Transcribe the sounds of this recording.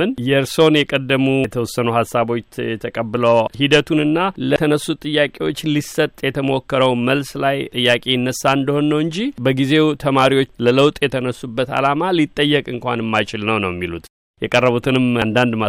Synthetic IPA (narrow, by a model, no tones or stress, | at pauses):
ɨnjɛɾso̞njɛkʼəd̪ːəmut̪ʰəwɔsːənuhasːaβo̞t͡ʃːɛt̪ʰəkʼəbːɨləwhid̪ət̪ʰunɨnːalət̪ʰənəsːut̪ʼɨjːakʼe̞wo̞t͡ʃːlisət̪ʼjɛt̪ʰəmokːəɾəwməlslajt̪ʼɨjːakʼe̞ɪnːəsːaɨnd̪əho̞nːəwɨɲd͡ʒibəɡize̞t̪ʰəmaɾiwo̞t͡ʃːlələwt̪ʼjɛt̪ʰənəsːubːət̪a̰lamalit̪ʼːəjːɛkʼɨŋkʷa̰nɨmːajt͡ʃɪlnəwnəwjɛmːilut̪ | jɛkʼərːəβut̪ʰɨnɨmnd̪and̪ma